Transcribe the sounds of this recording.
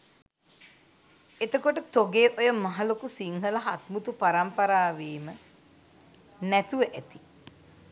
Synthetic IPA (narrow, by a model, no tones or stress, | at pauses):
et̪əkoʈət̪oɡeːʔojəmaɦalokusiŋɦəlaɦat̪mut̪upaɾampɐɾaːʋeːmə | næt̪uʋəʔæt̪i